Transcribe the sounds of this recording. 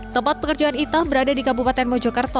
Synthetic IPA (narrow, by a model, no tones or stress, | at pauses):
t̪əmpat̪̚pəkərd͡ʒaanit̪abəɾadadikabupat̪ɛnmɔd͡ʒɔkart̪ɔ